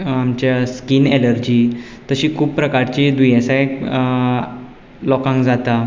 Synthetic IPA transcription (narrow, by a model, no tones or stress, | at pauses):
amt͡ɕjaskineləɾd͡ʑiː | t̪əɕiːkʰuːppːɾəkaɾt͡ɕid̪ujesaj | lɔkãŋkd͡zat̪a